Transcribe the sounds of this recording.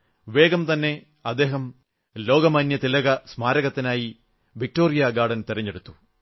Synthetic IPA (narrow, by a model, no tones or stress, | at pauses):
ʋeːɡɐmt̪ɐnːe̞ | ɐd̪ːe̞ːɦɐm | lo̞ːɡɐmɐnjɐt̪ilɐɡɐsmaːɾɐɣɐt̪ːinaːji | ʋik̚ʈoːɾijaɡaːɽɐnt̪iɾɐɲːeɽut̪ːu̥